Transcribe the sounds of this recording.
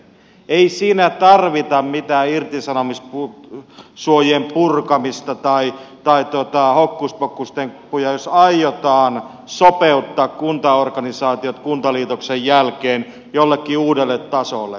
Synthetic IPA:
eisiːnæt̪ɑrʋit̪ɑmmit̪æːirt̪isɑnomispu | suojempurkɑmist̪ɑt̪ɑit̪ɑit̪uot̪ɑhokːuspokːust̪eŋpujɑjosɑijot̪ɑːn | sopeut̪ːɑːkkunt̪ɑorkɑnisɑːt̪iot̪kunt̪ɑliːt̪oksejjælkeːn | jolːekːiuːdelːet̪t̪ɑsolːḛ

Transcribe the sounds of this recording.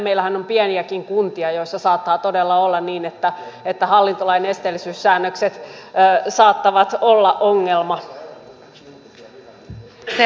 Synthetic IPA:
meilæhænompiɛniækiŋkunt̪iɑjoisːɑsɑːt̪ːɑːt̪odelːɑolːɑnniːnet̪ːæet̪ːæhɑlːint̪olɑinest̪elːisyːsːæːnːøkset̪ː | sɑːt̪ːɑʋɑt̪olːɑʔʔoŋːelmɑ | se

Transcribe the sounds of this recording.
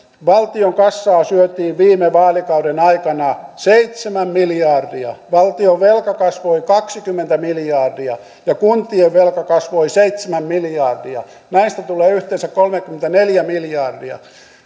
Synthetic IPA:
ʋɑlt̪ioŋkɑsːɑːsyøt̪iːʋʋiːmeʋɑːlikɑudenɑikɑnɑseit̪semæmmiljɑːrdiɑʋɑlt̪ioʋʋelkɑkɑsʋoikɑksikymːent̪æmiljɑːrdiɑ | jɑkunt̪ˑieʋʋelkɑkɑsʋoiseit̪semæmmiljɑːrdiɑ̰ | næinst̪æt̪uleːyht̪ensækkolmekːyment̪æneljæmiljɑːrdiɑ̰

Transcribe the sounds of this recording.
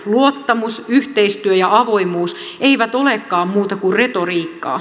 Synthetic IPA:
luot̪ːɑmusyht̪eist̪yøjɑʔɑʋo̞imuːs | eiʋæt̪o̞lekːɑːmmuːt̪ɑkurret̪o̞riːkːɑ̰ː

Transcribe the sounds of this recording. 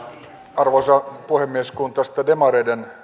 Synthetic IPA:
ɑrʋosɑpuhemːieskunt̪ɑst̪ɑdemɑɾeden

